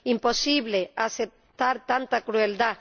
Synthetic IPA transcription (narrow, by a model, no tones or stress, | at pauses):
impo̞siβleasep̚t̪aɾt̪ant̪akɾueld̪a